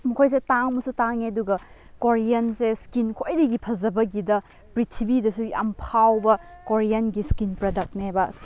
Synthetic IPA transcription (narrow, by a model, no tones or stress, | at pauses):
mukʰojs̬etaŋmɐsutaŋeduɡɐ | koɾijɐnseskinkʰojdɐɡipʰɐzɐbɐɡidɐ | pɾitʰibidɐsujɐ̰mpʰawbɐkoɾijɐnɡiskinpɾɐdɐk̚tnabɐs